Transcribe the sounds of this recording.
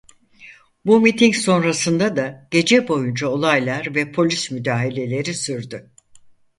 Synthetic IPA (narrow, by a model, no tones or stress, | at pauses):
bumit̪ʰiŋcso̞nɾasɯnd̪ad̪aɟ̥e̞d͡ʒɛbo̞jund͡ʒao̞lˠajlˠaɾvɛpʰo̞lʲismyd̪aːɦilʲe̞lʲe̞ɾisyɾd̪y